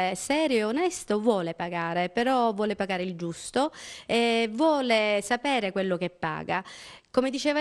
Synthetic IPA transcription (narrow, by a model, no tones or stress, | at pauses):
sɛːɾjoeonɛst̪ovwɔːlepaɡaːɾepeɾɔvːwɔːlepaɡaːɾeild͡ʒust̪oɛvwɔːlesapɛːɾekwelːok̟epːa̰ːɡa̰komed̪it͡ʃɛːva